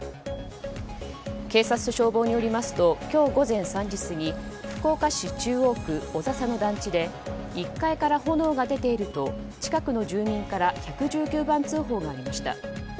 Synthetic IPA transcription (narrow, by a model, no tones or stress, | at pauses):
ke̞ːsat͡sɨ̥ɕo̞ːbo̞ːɲ̟io̞ɾʲimasɨ̥t̪o̞kʲo̞ːɡo̞zẽ̞ɰ̃sãɲ̟d͡ʑisɨɲ̟iɸɯ̟̥ko̞ːkaɕit͡ɕɨːo̞ːkɯ̟o̞zasano̞d̪ãɲt͡ɕid̪e̞ikːaikaɾaho̞no̞ːɡad̪e̞t̪e̞iɾɯ̟t̪o̞ | t͡ɕi̥kakɯ̟no̞ʑɨːɲʲĩŋkaɾaçakɯ̟ʑɨːkʲɨːbãnt͡sɨːɦo̞ːɡaːɾʲimaɕi̥t̪a̰